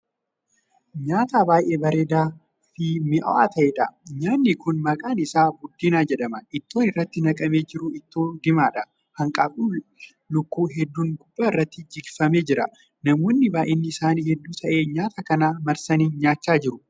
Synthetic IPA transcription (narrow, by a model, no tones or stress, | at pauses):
ɲaːt̪aːbaːjʔe̞ːbɐɾeːd̪aː | fɪmɪʔɐ̰ʔa̰ːt̪ɐʔeːᶑɐɲaːnːɪkʊnmɐkʼaːnɪsaːbʊd̪ːinaːd͡ʒɛᶑɐmɐʔɪt̪ːo̞ːnɪrːɐt̪ːɪnɐkʼɐme̞ːd͡ʒɪɾʊɪt̪ːoːd̪ɪmaːᶑɐ | hɐŋkʼaːfʼuː | lʊkːuːɦɛd̪ːuːŋɡʊb̥ːaːɪrːɐt̪ːɪd͡ʒɪɡfɐme̞ːd͡ʒɪɾɐ | nɐmɔnːɪbaːʔenːɪɪsaːniːhɛd̪ːuːt̪ʰɐʔe̞ːɲaːt̪ɐkɐnaːmɐɾsɐniːnɲaːt͡ʃːaːd͡ʒɪɾʊ